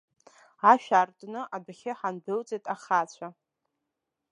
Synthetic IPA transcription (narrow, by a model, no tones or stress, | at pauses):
aʃᶣartʼnɨʔabχʲɪħanbɨlt͡sʼejtʼaχat͡ɕʷʰa